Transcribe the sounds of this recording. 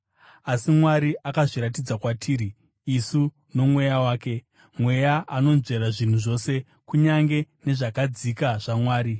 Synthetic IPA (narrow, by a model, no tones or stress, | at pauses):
asimwaɾiʔakaʐiɾat̬id͡zakwatʰiːɾiː | su | no̞mwe̞jawaːke̞ | mwe̞jaano̞nze̞ɾaʐin̤uʐo̞se̞ | kuɲaŋɡe̞ne̞ʐakad͡zikaʐ̥amwaːɾi